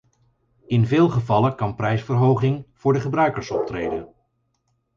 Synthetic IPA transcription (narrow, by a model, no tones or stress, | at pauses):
ɪnvɪːlˠχəvɑləkɑnprɛjsfərɦowχɪŋv̥ʊːɹdəχəbrœɥkəɹsɔp̚trejdə̰n